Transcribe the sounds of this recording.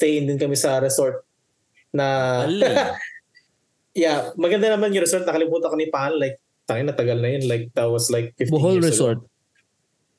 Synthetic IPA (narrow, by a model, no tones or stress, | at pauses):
st̪ejɪnd̪ɪnkɐmɪsɐɾɛsoɹt̪̚ | nɐ | jamɐɡɐnd̪anɐmanjʊɾɛsoɾt̪nɐkɐlɪbuːt̪ɐɐkonɪpahɐnlajk̚ | t̪aŋɪnɐt̪ɐɡalnɐjonlajk̚d̪ɐtwɐslajk̚fɪfbʊiɦolɹɛsoɹt̪̚